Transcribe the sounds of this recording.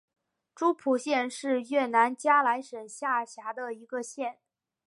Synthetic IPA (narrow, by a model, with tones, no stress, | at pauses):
ʈ͡ʂu˥pʰu˨˩ɕjɛ˥˧nʂɻ̩˥˧ɥɛ˥˩na˧˥nt͡ɕja˥la˧˥ɪʂə˨˩ŋɕja˥˩ɕja˧˥d̪ə˧i˧˥ɡə˧ɕjɛ˥˩n